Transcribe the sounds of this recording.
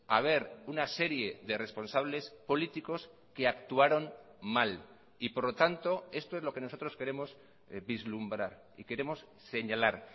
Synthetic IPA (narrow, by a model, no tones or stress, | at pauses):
aβ̞e̞ɾunase̞ɾje̞ðe̞re̞spo̞nsaβ̞le̞spo̞lit̪iko̞s | ke̞akt̪uaɾo̞n | mal | ipo̞ɾlo̞t̪ant̪o̞e̞st̪o̞elo̞ke̞no̞so̞t̪ɾoske̞ɾe̞mo̞s | βizlumbɾaɾ | ḭke̞ɾe̞mo̞s | se̞ɲalaɾ